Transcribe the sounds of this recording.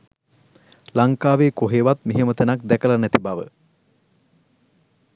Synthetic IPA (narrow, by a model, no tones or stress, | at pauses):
laŋkaːʋeːkoɦeʋat̪miɦemət̪enakd̪ɛkəlɐnæt̪ibaʋə̰